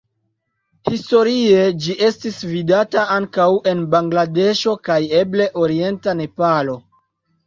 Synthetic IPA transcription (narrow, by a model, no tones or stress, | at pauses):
histo̞ɾie̞d͡ʒiʔe̞stisvidataaŋkawe̞nbaŋɡlade̞ʃo̞kaje̞ble̞ʔo̞ɾie̞ntane̞palo̞